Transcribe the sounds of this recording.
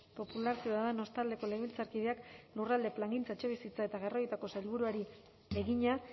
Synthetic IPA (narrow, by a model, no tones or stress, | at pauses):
po̞pulaɾk̪eaðano̞st̪ald̪e̞ko̞leβilt͡saɾkið̞e̞aklurald̪e̞plaŋɡint͡saet͡ʃe̞βisit͡sae̞t̪aɣ̞e̞rojet̪ako̞sajlβuɾuaɾi | beɣiɲa